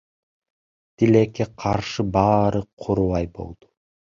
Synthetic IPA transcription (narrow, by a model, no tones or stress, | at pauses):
t̪ilekːeqʰɑɾʃɯbɑːɾɯqʰuɾuwɑjbo̞̰lˠd̪̥u̥